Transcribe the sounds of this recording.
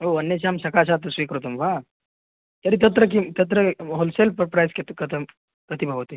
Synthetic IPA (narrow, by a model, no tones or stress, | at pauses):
ɦoɐnːjet͡ɕamsɐkasat̪̬əsʋikəɾot̪umʋa | t̪ɐɾit̪̬ət̪ɾəkit̪ɐt̪̬ɾəɦolselpəɾpɾajsket̪kət̪ʰəm | kət̪ʰibʱəɡot̪i